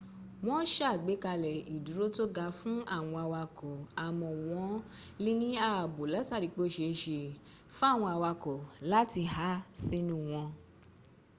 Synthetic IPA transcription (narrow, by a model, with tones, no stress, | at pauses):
w̃ɔ̃˦ʃɡ͡be˨˦ka˧lɛ˨i˨du˨ɾo˦to˦ɡa˧fũ˦a˦˨w̃ɔ̃˧a˧wa˧kɔ˨a˨mɔ̃˧˨w̃ɔ̃˨˦li˦nĩ˦a˦˨bo˨la˨˦ta˦˨ɾi˨˧˦k͡po˦˨ʃe˧ʃe˧ | fũ˦a˦˨w̃ɔ̃˧a˧wa˧kɔ˨la˦ti˧ha˨˦si˦nũ˦w̃ɔ̃˧